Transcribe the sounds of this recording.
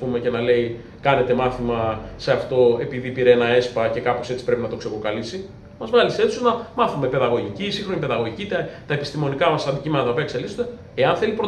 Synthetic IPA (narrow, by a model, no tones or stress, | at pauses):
pume̞ce̞nɐle̞i | kɐne̞t̪e̞mɐθimɐse̞ɐft̪o̞e̞piðipiɾeenɐe̞spɐce̞kɐpose̞t͡si̥pɾe̞pinɐt̪o̞kse̞kɾokɐlisi | mɐzvɐlise̞t̪suznɐmɐθume̞pe̞ðɐɣo̞ʝicisiŋxɾo̞nipe̞ðɐɣo̞ʝicit̪ɐt̪ɐepist̪imo̞nikɐmɐsɐnd̪icimenɐt̪ɐo̞piɐekse̞lizod̪e | eɐnθe̞lipɾo